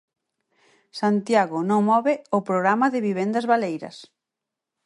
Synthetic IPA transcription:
sant̪jaɣʊnõŋmɔβɪʊpɾoɣɾamɐðɪβiβend̪ɐzβalejɾɐ̰s

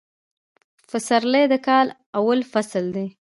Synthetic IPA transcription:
fəsaɾləjd̪əkɑl | awalfasld̪e

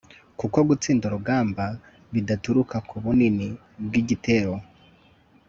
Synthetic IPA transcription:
kuko̞ɡut͡siːnduɾubɡaːmba | βidatuɾukakʰuβunini | bɡiɟiteːɾo̞

